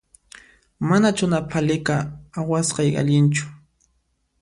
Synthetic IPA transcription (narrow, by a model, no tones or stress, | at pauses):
manat͡ʃʊnapʰalɪkaːwasqɑja̰ʎɪnt͡ʃʊ̥